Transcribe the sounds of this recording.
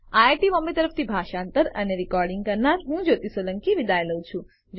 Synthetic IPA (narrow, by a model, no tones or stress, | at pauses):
aʈiʋɔmẽt̪əɾəft̪ʰibʱaʃaːnt̪əɾə̰neɾikɔɾɖɪŋɡkəɾnaɾɦũd͡ʒot̪isoləŋkiʋid̪ajləũt͡ʃʰũ | d͡ʒ